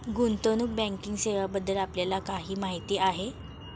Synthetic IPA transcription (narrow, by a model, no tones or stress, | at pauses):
ɡunt̪ənuk̚bɛ̃ŋkiŋɡseʋabəd̪ʱːəlapljalakaɦiːmaɦit̪iːʔaɦe